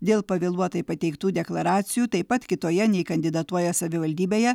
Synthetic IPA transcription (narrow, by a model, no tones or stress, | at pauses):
d̪ʲeːlˠpɐʋʲelˠuɔt̪ɐɪpɐt̪ʲɛɪkt̪uːd̪ʲɛklˠɐɾɑːt̪sʲɪjuːt̪ɐɪpɐt̪kʲɪt̪oːjɛnʲɛɪkɐnʲd̪ʲɪd̪ɐt̪uɔjɛsɐʋʲɪʋɐlʲd̪ʲiːbʲeːjɛ